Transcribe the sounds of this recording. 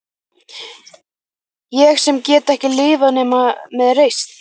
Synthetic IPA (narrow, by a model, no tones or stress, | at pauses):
jɛxsɛmcɛːt̪ɛhcɪlɪːvanɛːmamɛðrejst̪